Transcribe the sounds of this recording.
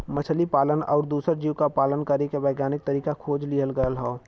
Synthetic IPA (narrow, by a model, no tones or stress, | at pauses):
mət͡ʃʰəlipaːlənɔ̰ːɾd̪uːsəɾd͡ʒiːʋkapaːlənkəɾekeʋəɪɡjaːnɪk̚t̪əɾiːkakʰoːd͡ʒliɦəlɡəəlɦɔː